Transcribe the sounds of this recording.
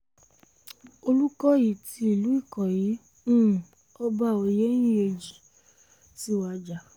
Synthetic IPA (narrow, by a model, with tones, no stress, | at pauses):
o˧lu˦kɔ˦ji˨ti˧˦i˦˨lu˨˦i˦˨kɔ˨jĩ˨˦˨ | ɔ˦ba˦˨o˧je˦j̃ĩ˦e˧d͡ʒi˨ | ti˦wa˧d͡ʒa˨